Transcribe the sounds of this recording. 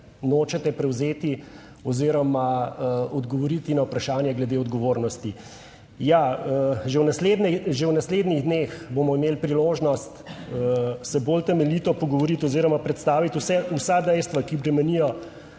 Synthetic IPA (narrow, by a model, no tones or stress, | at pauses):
noːt͡ʃɛt̪ɛpɾɛwzeːt̪i | ɔziɾɔmaɔd̪ɡɔʋɔɾit̪inawpɾaʃaːnjɛɡlɛd̪eɔd̪ɡɔʋoːɾnɔst̪i | jaʒɛwnasled̪nɛʒewnasleːd̪niɣd̪nexbomɔimeːlpɾiloːʒnɔst̪əsɛboːlt̪ɛmɛlit̪ɔpɔɡɔʋɔɾit̪ɔziːɾɔmapɾɛt̪st̪aːʋit̪usɛusad̪ɛjst̪ʋakibɾɛmɛnijɔ